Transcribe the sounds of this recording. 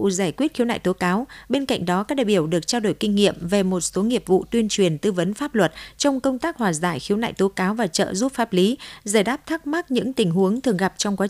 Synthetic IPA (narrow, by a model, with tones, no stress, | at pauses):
zaː˧˩jkwi˦˥ət̚xi˨˦wna̰ː˧˨jt̪o˨˦kaː˨˦wɓe˧nka̰˧˨jŋ̟ɗɔ˨˦kaː˦˥k̚ɗaː˧˨jɓi˧˩əwɗɨ˨˩ək̚t͡ɕaː˧wɗo˧˩jkï˧ŋ̟ːḭ˧˨əmve˨˩mo˨˩t̚so˨˦ŋi˨˩əp̚vṵ˧˨t̪wi˧ənt͡ɕwi˨˩ənt̪ɨ˧və˨˦nfaː˦˥p̚lwə˨˩t̚t͡ɕɔ˧wŋ͡mkə˧wŋ͡mt̪aː˦˥k̚hwaː˨˩zaː˧˩jxi˨˦əwna̰ː˧˨jt̪o˨˦kaː˨˦wvaː˨˩t͡ɕə̰ː˧˨zu˦˥p̚faː˦˥p̚li˨˦zaː˧˩jɗaː˦˥p̚t̪ʰa˦˥k̚ma˦˥t̚ɲɨ̰˧˥ŋt̪ï˨˩ŋ̟ɦu˨˦əŋt̪ʰɨ˨˩əŋɣa˨˩p̚t͡ɕɔ˧ŋ͡mkwaː˨˦